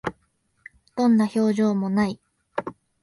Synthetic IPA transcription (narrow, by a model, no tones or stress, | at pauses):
d̪̥õ̞nːaço̞ːʑo̞ːmo̞nai